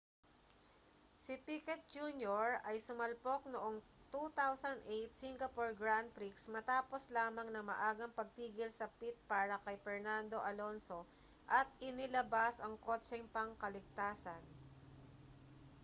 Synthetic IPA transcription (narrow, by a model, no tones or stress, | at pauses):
sɪpikɛt̪̚d͡ʒuːnjoɹɐjsʊmɐlpo̞k̚noʔo̞ŋ | t̪ut̪awsɐnd̪ʔejt̪̚siŋɡɐpoɹɡɹand̪̚pɾiksmɐt̪aːpo̞slaːmɐŋnɐmɐ̰ʔaːɡɐŋpɐɡ̚t̪iːɡɪlsɐpit̪̚paːɾɐkɐjpɛɹnand̪o̞ʔɐlo̞nso̞ | ʔɐt̪̚ʔɪnɪlɐbasɐŋko̞t͡ʃɛŋpɐŋkɐlɪɡ̚t̪aːsɐn